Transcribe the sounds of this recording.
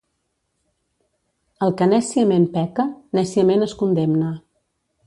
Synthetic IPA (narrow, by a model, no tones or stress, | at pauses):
əlˠkənɛsiəmempɛkənɛsiəmenəskund̪emnə